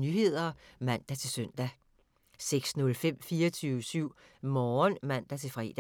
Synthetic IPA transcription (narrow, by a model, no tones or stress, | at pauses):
nyhe̝ð̰ˠɐmæn̰d̥æt͡sʰe̝lsøn̰d̥æ | seɡ̥snɔ̽lfem̰fiːɐt͡sʰyːʊəsyʊ̰ | mɒːnmæn̰d̥æt͡sʰe̝fʁɛ̰ːd̥æ